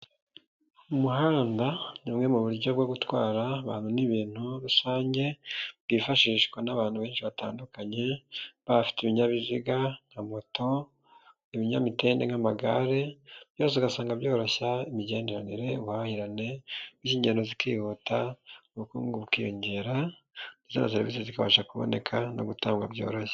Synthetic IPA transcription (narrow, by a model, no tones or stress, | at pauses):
umuɦaːndanimŋe̞muβuɾɟo̞bɡoɡutwaːɾaβaːnhuniβiːn̥huɾusaːɲɟe̞bɡifaʃiːʃkwanaβaːn̥huβe̞ːnʃiβata̰ːndukaɲe̞βafi̥tiβiɲaβiziɡaŋ̥amo̞to̞ | iβiɲamite̞ːnde̞ŋamaɡa̰ɾebjo̞ːs̬eiɡasaːŋɡabjo̞ːɾoçaimiɟe̞ːnde̞ɾaniɾe̞βwhahiɾane̞iziːɲɟendo̞zikḭhutauβukṵːŋɡuβukijoɲɟe̞ːɾa | nizonaseɾivisezikaβa̰ʃakuβo̞̰ne̞kʰano̞̰ɡutaːŋɡwa̰bjo̞̰ːɾoçḁ